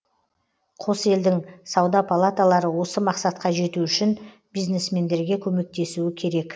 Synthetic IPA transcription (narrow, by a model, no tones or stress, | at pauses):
qʰo̞se̞ld̪ɪŋsɑwd̪ɑpʰalˠat̪alˠɑɾəwo̞səmɑqsɑt̪̚qɑʒe̞t̪uʏʃɪn | bijzne̞sme̞nd̪e̞ɾɡʲe̞kʲʰɵme̞k̚t̪e̞suɪkʲʰe̞ɾe̞k